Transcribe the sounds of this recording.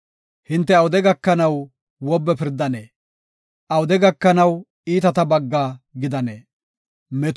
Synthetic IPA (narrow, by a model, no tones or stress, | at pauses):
hɪnt̪ːɛɐwʊd̪ɛɡɐkːɐnɐw | wɔbːɛpɪɾd̪ɐneː | ʔɐwʊd̪ɛɡɐkːɐnɐw | iːt̪ɐt̪ɐbɐɡːaːɡɪd̪ɐneː | mɛt̪